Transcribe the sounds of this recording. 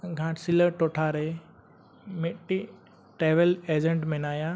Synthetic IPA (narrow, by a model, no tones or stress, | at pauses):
ɡʱãːʈsiləʈoːʈʰaːɾe | meʈːi | ʈeːʋəleːd͡ʑẽɳʈmẽnaːjã